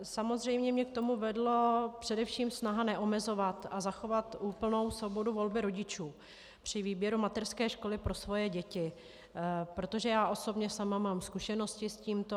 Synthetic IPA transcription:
samo̞zrɛjmɲɛmɲɛk̚t̪o̞muvɛdlopr̝̥ɛdɛfʃiːmsnaɦanɛʔo̞mɛzo̞vat̪azaxo̞vat̪ʔuːpl̩no̞wsvo̞bo̞duvo̞lbɪɾo̞ɟɪt͡ʃuː | pr̝̥ɪviːbjɛɾumat̪ɛrskɛːʃko̞lɪpɾo̞svo̞jɛɟɛcɪ | pɾo̞t̪o̞ʒɛjaːʔo̞so̞bɲɛsamamaːmskuʃɛno̞scɪsciːmt̪o

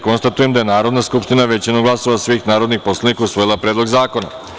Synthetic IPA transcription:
ko̞nst̪at̪uje̞md̪ajenaːɾo̞d̪naskupʃt̪inaʋe̞t͡ɕinoɡlˠaso̞ʋasʋiːxnaːɾo̞d̪nixpo̞slˠanikausʋo̞jilˠapɾeːd̪lo̞ɡzaːko̞na̰

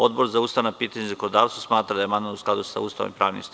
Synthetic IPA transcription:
o̞d̪bo̞ɾzaust̪aʋanapiːt̪aɲuzakonod̪aːʋst̪usmaːt̪ɾad̪ajemananusklad̪usa̰ṵst̪a̰ʋo̰ḭmpɾaːʋnḭmst̪

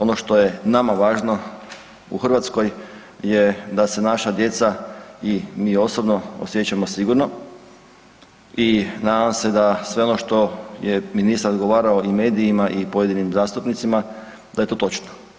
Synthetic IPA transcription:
o̞noʃt̪o̞je̞namaʋaːʒno̞ | ṵxrʋat̪sko̞j | jed̪ase̞naʃad̪je̞t̪saimiːo̞sobno̞o̰sjet͡ɕamo̞siɡuɾno̞ | inaːd̪amse̞d̪asʋe̞o̞no̞ʃt̪o̞jeminist̪aɾod̪ɡoʋaːɾaoime̞ːd̪iːmaʔipojed̪inimzaːst̪upnit̪sima | d̪aje̞t̪oːt̪o̞t͡ʃno̥

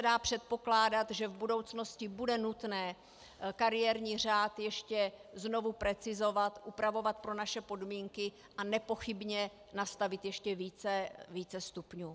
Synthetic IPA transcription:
sɛdaːpr̝̥ɛt̪̚po̞klaːdat̪ʒɛvbudo̞wt͡sno̞scɪbudɛnut̪nɛː | kaɾɪjɛɾɲiːr̝aːt̪jɛʃcɛzno̞vupɾɛt͡sɪzo̞vat̪ʔupɾavo̞vat̪̚pɾo̞naʃɛpo̞dmiːŋkɪ | ʔanɛpo̞xɪbɲɛ | nast̪avɪt̪jɛʃcɛviːt͡sɛviːt͡sɛst̪upɲuː

